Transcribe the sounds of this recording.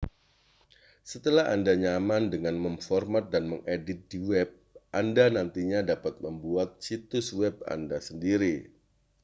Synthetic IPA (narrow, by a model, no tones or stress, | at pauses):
sət̪əlaɦa̰ndaɲamandəŋanməmfɔrmat̪̚danməŋʔedɪt̪̚d̥iwɛb̚ʔandanant̪iɲadapat̪̚məmbuat̪̚t͡ʃit̪ʊswɛba̰ndasəndiɾi